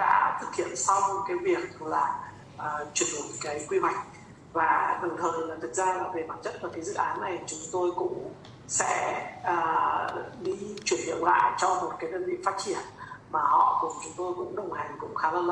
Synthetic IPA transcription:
ɗa̰ː˧˥t̪ʰɨ˨˩t̚hḭ˧˨ənsa˧wkaː˨˦jvi˨˩ək̚laː˨˩ | ʔəː˨˩t͡ɕwi˧˩əno˨˩jkaː˨˦jkwi˧wa˨˩jk̟̚ | vaː˨˩ɗə˨˩wŋ͡mt̪ʰəː˨˩jlaː˨˩t̪ʰɨ˨˩k̚zaː˧aː˨˩ve˨˩maː˨˩n̚t͡ɕə̰˧˥n̚vaː˨˩kaː˨˦zɨ̰˧˨ʔaː˨˦nːa˨˩jt͡ɕʊ˨˦ŋ͡mt̪o˧jkʊ̰˧˥ŋ͡m | sɛ̰˧˥ʔəː˨˩ | ɗi˧t͡ɕwi˧˩ənhḭ˧˨əwla̰ː˧˨jt͡ɕɔ˧mo˨˩t̚kaː˨˦jɗəː˧nvḭ˧˨faː˦˥t̚t͡ɕi˧˩ənmaː˨˩hɔ̰˧˨kʊ˨˩ŋ͡mt͡ɕʊ˨˦ŋ͡mt̪o˧jkʊ̰˧˥ŋ͡mɗə˨˩wŋ͡mha˨˩jŋ̟kʊ̰˧˥ŋ͡mxaː˨˦lə˧˩nl

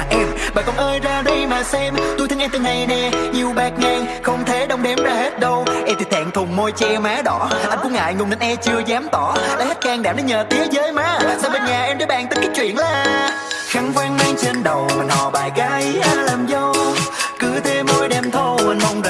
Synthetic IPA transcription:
ʔɛ˧mɓaː˨˩kɔ˧˩nʔəː˧jzaː˧ɗə˧jmaː˨˩sɛ˧mt̪u˧jt̪ɨ˧ŋʔɛ˧mt̪ɨ˧˩na˨˩jnɛ˨˧˩ɲi˨˩əwɓaː˨˩k̚ŋaː˧ŋxə˧wŋ͡mt̪ʰe˨˦ɗə˧wŋ͡mɗɛ˨˦mzaː˧˩he˦˥t̚ɗə˧wʔɛ˧mt̪ʰi˨˩t̪ʰa̰ː˧˨ŋt̪ʰʊ˨˩ŋ͡mmo˧jt͡ɕɛ˧maː˨˦ɗɔ˧˦˨ʔa˧jŋ̟kṵ˧˥ŋa̰ː˧˨jŋʊ˨˩ŋ͡mnə˨˩nʔɛ˧t͡ɕɨ˧əzaː˨˦mt̪ɔ˧˩ləː˨˦jha˦˥t̚kaː˧ŋɗaː˨˩mɗə˨˦ɲəː˨˩t̪i˨˦əzəː˨˦jmaː˨˦laː˨˩saː˧˩və˨˩nɲaː˨˩ʔɛ˧mzə˧˨˦ɓa̰ː˨˩nt̪ki˦˥k̚t͡ɕwḭ˧˨ənlaː˨˩ | xa˨˧˩ŋkwaː˧ŋmaː˧ŋt͡ɕə˧nɗə˨˩wmaː˨˩nɔ̰˧˩ɓaː˨˩jɣa˨˦jʔaː˧˩laː˨˩mzə˧wkɨ˧˩t̪ʰe˧mːo˧jɗɛ˨˩mt̪ʰo˧ə˨˩nmə˨˩wŋ͡m

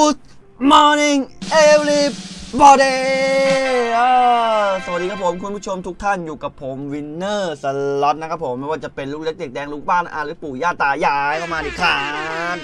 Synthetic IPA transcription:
u˦˥˩s̚ | mɔː˧ni˧ŋʔe˧wli˦˥p̚bɔː˧˩deː˧ | oː˧˩sa˨˩˨diː˧kʰa˥pʰːo˩˦mkʰu˧npʰu˥˩t͡ɕʰo˧mt̪ʰu˦˥k̚t̪ʰa˥˩njuː˨˩ka˨˩pʰːo˩˦mwi˧nːɤː˥˩sa˧lɔ˦˥t̪̚na˦˥kʰa˦˥pʰːo˩˦mːa˥˩waː˥˩t͡ɕa˨˩pe˧nluː˥˩k̚le˦˥k̚de˨˩k̚dɛː˧ŋluː˥˩k̚baː˥˩nʔa̰ː˧˩ɾlɯː˦˥puː˨˩jaː˥˩t̪aː˨˩jaː˧˩jkʰa˥˩maː˧diː˨˩kʰaː˦n

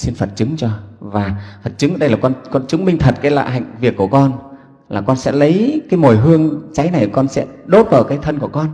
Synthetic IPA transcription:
si˧nfə˨˩t̚t͡ɕɨ˨˦ŋt͡ɕɔ˧vaː˨˩fə˨˩t̚t͡ɕɨ˨˦ŋ˩ɗə˧jlaː˨˩kɔ˧nkɔ˧nt͡ɕɨ˨˦ŋmï˧ŋ̟t̪ʰə˨˩t̚kaː˨˦la̰ː˧˨ɦa̰˧˨jŋ̟vi˨˩əkːu˧˩əkɔ˧n | laː˨˩kɔ˧nsɛ̰˧˥lə˨˦jkaː˨˦jmo˨˩jɦɨ˧əŋt͡ɕa˨˦jna˨˩jkɔ˧nsɛ̰˧˥ɗo˨˦˥t̚ɓəː˧˩kaː˨˦jt̪ʰə˧nku˧˩əkɔ˧n

